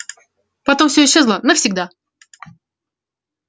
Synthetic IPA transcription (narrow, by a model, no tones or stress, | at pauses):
pɐt̪o̞mfsʲɵɪɕːe̞zlˠənəfsʲɪɡ̚d̪a